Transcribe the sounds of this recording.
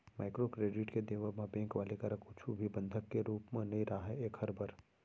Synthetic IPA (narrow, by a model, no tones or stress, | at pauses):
maːɪkɾokɾeːɖɪʈked̪eːʋəmãbẽːŋkʋaːlikəɾãkʊt͡ʃʰubʱibə̃nd̪ʱəkːeɾuːpmãnɐɦĩɾaaɦeeːkhɐɾbʱəɾ